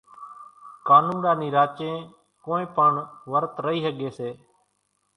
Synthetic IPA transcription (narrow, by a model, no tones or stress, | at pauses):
kaːnũːnɾaːniːɾaːt͡ʃẽː | koːẽːpəɳʋəɾt̪ɾəɦiːɦəɠeːseː